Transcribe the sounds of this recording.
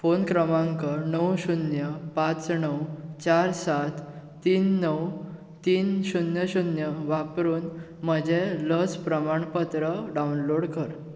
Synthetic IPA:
fonkɾəmãŋkənəwɕunjəpãt͡snəwt͡ɕaɾsat̪ː | iːnːəw | t̪iːnɕunjəɕunjəʋapɾuːn | məd͡ʑeləd͡zpɾəmaɳpət̪ɾəɖawnloɽkəɾ

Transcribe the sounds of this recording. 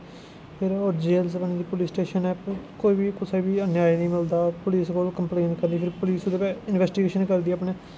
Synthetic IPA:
pʰɪɾoːɾd͡ʒeːlspəned̪iːpʊliːsʈeːʃənɛːkoːiːbiːkʊsabiːənjaːiːnəĩːmɪld̪aːpʊliːskoːlkəmpleːnkəɾd̪iːpʰɪɾpʊliːsod̪epɛːɪnʋɛːsʈɪɡeːʃənkəɾd̪iːɛaːpneː

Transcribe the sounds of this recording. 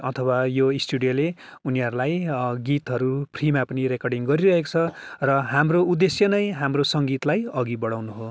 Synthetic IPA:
ʌt̪ʰʌwajoisʈuɽijoleuniɦʌɾulajɡit̪ɦʌɾupʰrimapʌnirekʌrɖiŋɡʌɾiɾʌɦeko̥t͡sʰʌrʌɦamroud̪esjʌnʌjɦamrosʌŋɡit̪lajʌɡibʌɽawnuɦo

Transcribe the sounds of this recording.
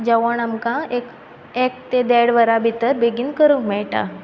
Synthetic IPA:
d͡ʑaʋəɳamkãek | ek̚t̪ed̪ɛɽʋəɾabʱit̪əɾbeɡiːnkəɾumɛɭʈa̰

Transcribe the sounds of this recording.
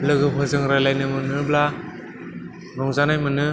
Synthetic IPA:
lɯɡɯpʰɯzɯŋɾajlajnɯmɯnɯbla | nɔŋzanajmɯnɯ

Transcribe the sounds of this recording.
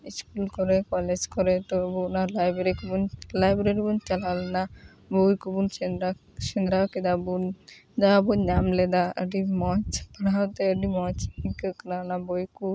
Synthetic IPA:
iskulkoɾekɔled͡ʒkoɾet̪obunaɾlajbeɾikubunlajbɾeɾibunt͡ʃalalna | bojkubunɾa | ʃend̪ɾaked̪abund̪abunɲamled̪aə̰ɖimɔt͡ʃpanat̪eɖimɔt͡ʃikəkɾanabojku

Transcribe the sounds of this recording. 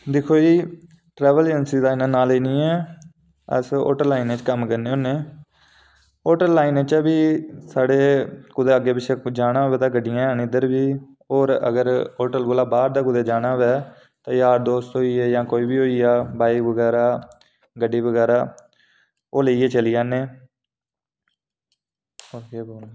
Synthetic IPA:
d̪ɪkʰoːiː | ʈɾɛːʋələnsiːd̪aːɪnãnaːleːnĩːɛ̃ː | ə̰so̰ːʈəɾlːaːineːt͡ʃkəmkəɾneːoːneː | oːʈəɾlːaːineːt͡ʃːbiːsaːɽeːkʊd̪eːəɡeːpɪt͡ʃʰeːd͡ʒaːnãːʋɛːt̪ãːɡəɖɪjãːnɪd̪əɾʋiː | oːɾə̰ɡəɾoːʈəlɡoːlaːbaːɾd̪aːkʊd̪eːd͡ʒaːnãːʋɛː | t̪ãːjaːɾd̪oːst̪ɦoːiːɛːjãːkoːiːbiːɦoːiːaːbaːikʋəɡɛːɾaː | ɡəɖiːʋəɡɛːɾaː | oːləiːeːt͡ʃəlijaːneː | oːkeːbo

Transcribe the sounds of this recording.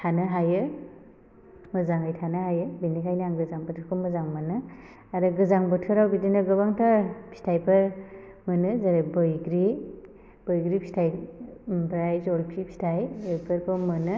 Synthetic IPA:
tʰanɯɦajɯ | mɯzaŋɯjtʰanɯɦajɯbinikʰajnaŋɡɯzaŋbɯtʰɯkʰɯmɯzaŋmɯnɯ | aɾɯɡɯzaŋbɯtʰɯɾawbidinɯɡɯbaŋtʰapʰi̥tʰajpʰɯɾ | mɯnɯzaɾebɯjɡɾi | b̥ɯjɡɾipʰi̥tʰaj | bɾajzɔlpʰipʰi̥tʰajɯpʰɯɾpʰɯmɯnɯ

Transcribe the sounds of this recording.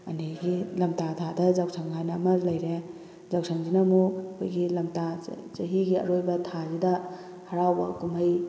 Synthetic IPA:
ɐ̰niɡilɐmtatʰadɐzawsʰaŋɡajnamɐɾlɐjɾe | zawsʰaŋzinamukʰujɡilɐmtat͡ʃɐɦiɡiɐ̰ɾojbɐtʰazidɐ | hɐɾawbɐkumaj

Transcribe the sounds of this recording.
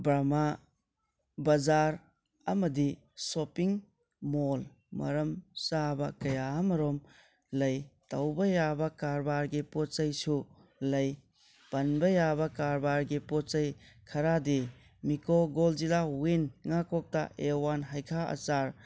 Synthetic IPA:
bɾama | bɐzaɾ | ɐmɐdi | sopiŋ | mol | mɐ̰ɾɐmsabɐkɐjamɐɾom | lɐjtɐwbɐjabɐkaɾbaɾɡipɔtt͡ʃɐjsu | lɐj | b̥ɐnbɐjabɐkaɾbaɾɡipɔtt͡ʃɐj | kʰɐɾadi | mikoɡold͡ʒilawinŋakɔk̚ta̰ʔewanɦajkʰaɐ̰t͡ʃaɾ

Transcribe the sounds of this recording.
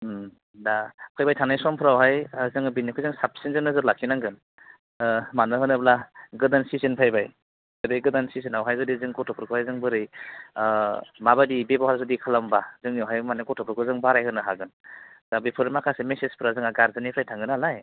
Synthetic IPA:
dapʰajbajtʰaŋnajsɔmpʰɯɾawɦajzɯŋbinːikʰɯjzɯŋsap̚sinzɯnɯzɯɾlakʰinaŋɡɯn | manɯɦɯnɯblaɡɯdansisinpʰajbaj | zɯdɯjɡɯdansisinawɦajzɯdizɯŋɡɔtʰɔpʰɯɾkʰɯhajzɯŋbɯɾɯj | mabadibebawhaɾzɯdikʰalambazɯŋniɔwɦajmanɯɡɔtʰɔpʰɯɾkʰɯzɯŋbaɾajɦɯnɯɦaɡɯn | dabipʰɯɾɯmakʰasemesespʰɯɾazɯŋaɡaɾzɯnipʰɾajtʰaŋɡɯnalaj

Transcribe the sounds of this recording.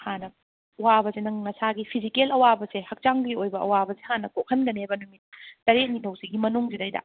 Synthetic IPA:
hanɐ | ɐwabɐzenɐŋnɐsaɡipʰizikelɐwabɐsehɐk̚t͡ʃaŋbɡiojbɐʔɐ̰wabɐsehanɐkokʰɐnɡɐnebɐnumit̚tɐɾek̚nitʰɐwsiɡimɐnuŋzidɐjdɐ̰

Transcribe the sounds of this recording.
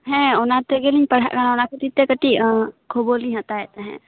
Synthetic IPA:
ɦɛ̃onat̪eɡelĩɲpəɽ̤a̰kanaonaket̪it̪ekəʈikʰoboliɦə̃t̪aɛt̪eɦɛ̰̃

